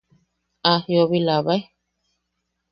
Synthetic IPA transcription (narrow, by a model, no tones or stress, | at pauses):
ahjoβilaβaj